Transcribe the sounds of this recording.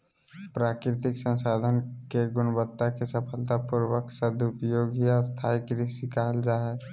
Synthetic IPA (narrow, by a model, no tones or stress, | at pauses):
pɾaːkɾɪt̪ɪksə̃nsaːd̪ʱənkeɡʊnbət̪ːakesəpʰəlt̪apʊɾwəksəd̪ʊpjoːɡiast̪ʰaːjkɾɪsikald͡ʒaːɦɛ